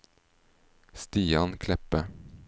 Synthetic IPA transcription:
st̪iːankʰlɛpːə

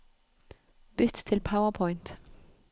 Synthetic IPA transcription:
b̥ʏt̪t̪ʰɪlpʰaʊəpʰɔɪnt̪

